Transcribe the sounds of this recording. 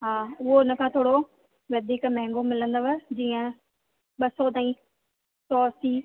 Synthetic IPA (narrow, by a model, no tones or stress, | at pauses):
ɦaːʊɦoɪnəkʰãːt̪ʰoːɽo | ʋɐd̪ʱiːkmɛ̃ɦɛ̃ŋɡomɪlə̃nd̪oʋəd͡ʑiːə̃ | ɓɐsɔt̪aːĩ | sɔːsiː